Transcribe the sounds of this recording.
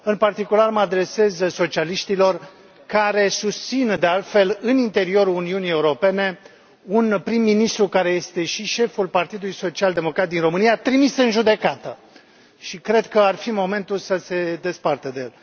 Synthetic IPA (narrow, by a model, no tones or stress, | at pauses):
ɨnpart̪ikularməad̪ɾe̞se̞zso̞t͡ʃialiʃt̪ilo̞r | kaɾe̞sust̪sind̪e̞alt̪fe̞lɨnint̪e̞ɾio̞ɾuuniunije̞uɾo̞pe̞ne̞ | unpɾimːinist̪ɾukaɾe̞je̞st̪e̞ʃiʃe̞fulpart̪id̪ulujso̞t͡ʃiald̪e̞mo̞kɾat̪̚d̪inro̞mɨnijat̪ɾimisɨnʒud̪e̞kat̪ə | ʃikɾe̞d̪kəarfimo̞me̞nt̪ulsəse̞d̪e̞spart̪əd̪ejel